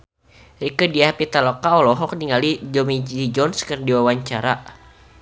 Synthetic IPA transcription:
ɾikədiapit̪alɔkaɔlɔɦɔk̚niŋalid͡ʒɔmid͡ʒid͡ʒɔnskərdiwawaɲt͡ʃaɾa

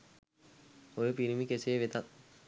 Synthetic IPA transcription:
ojəpiɾimikeseʋet̪at̪̚

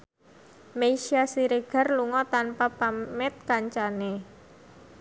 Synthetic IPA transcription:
meiʃiasiɾeɡ̥a̤rluŋɔt̪anpapamɛt̪̚kaɲt͡ʃane

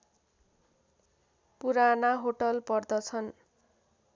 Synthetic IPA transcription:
puɾanaɦoʈʌlpʌrd̪ʌt͡sʰʌn

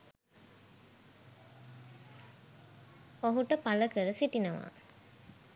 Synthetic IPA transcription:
oɦuʈəpaləkəɾəsiʈinəʋa̰

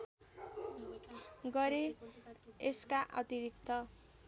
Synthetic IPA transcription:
ɡʌɾe | eskaʔʌt̪iɾikt̪ʌ

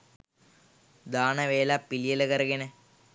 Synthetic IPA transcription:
d̪aːɳɐʋeːlaːpːilijɐlɐkɐɾɐɡine

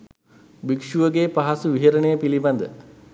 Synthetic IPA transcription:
bikʂuʋəɡeːpaɦɐsuʋiɦɐɾɐɳejəpilibɐnd̪ə

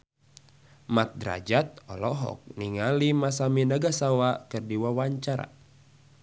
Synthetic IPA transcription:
mat̪̚dɾa̰d͡ʒat̪̚ɔlɔɦɔ̰k̚niŋalimasaminaɡasawakɨrdiwawaɲt͡ʃaɾa̰

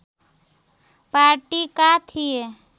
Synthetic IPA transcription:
paːɾʈikat̪ʰie

